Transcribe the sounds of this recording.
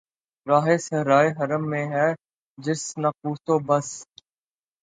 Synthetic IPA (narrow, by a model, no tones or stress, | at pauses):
ɾaːɦeːsəɦɾaːeɦəɾəmːẽːɦɛː | d͡ʒɪsnək̚uːt̪oːbəs